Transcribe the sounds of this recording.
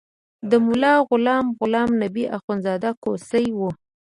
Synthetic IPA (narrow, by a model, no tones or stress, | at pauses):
d̪əmʊlɑɣʊlɑmɣʊlɑmnabiʔaxunzɑd̪akosəjwu